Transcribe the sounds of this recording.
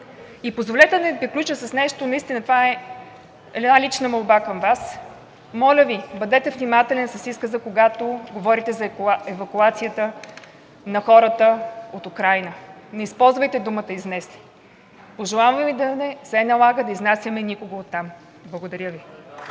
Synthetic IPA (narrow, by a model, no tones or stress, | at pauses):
ipozvolɛt̪ɛd̪ɐnɛpɾiklʲut͡ʃəsɐsnɛʃt̪onɐist̪inət̪vaɛ | ɛ̰d̪nalʲit͡ʃnəmolˠbakəmvas | mɔlʲəvibɐd̪ɛt̪ɛvnimat̪ɛlɛnsɐsiskəzəkoɡat̪oɡovɔɾit̪ɛzɐɛvɐkuat̪sijət̪ə | nɐxɔɾət̪əot̪ukɾajnənɛispɔlˠzvəjt̪ɛd̪umət̪əiznɛsi̥ | poʒɛlˠavvvid̪ɐnɛsɛnɐlˠaɡəd̪ɐiznasʲjəmɛnikoɡəot̪ːam | blˠəɡod̪ɐɾʲəvi